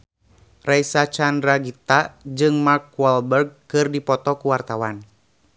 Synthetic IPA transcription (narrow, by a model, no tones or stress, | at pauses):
raisat͡ʃanraɡit̪ad͡ʒɨŋmarkuwɔlbɛrɡ̚kɨrdipɔt̪ɔkuwart̪awan